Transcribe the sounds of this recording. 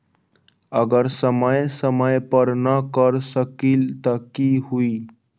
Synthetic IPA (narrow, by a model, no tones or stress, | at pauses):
əɡəɾsəməjsəməjpəɾnəkəɾsəkilt̪əkihuiː